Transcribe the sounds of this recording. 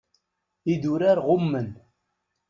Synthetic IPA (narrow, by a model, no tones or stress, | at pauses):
id̪uɾaɾʁʊmːən